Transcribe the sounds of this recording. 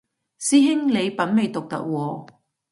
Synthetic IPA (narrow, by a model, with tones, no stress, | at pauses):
siː˥ɦɪ˥ŋle˨˧jpɐ˨˥nme˨˧jt̪ʊ˨k̚t̪ɐ̰˦˥k̚wɔː˧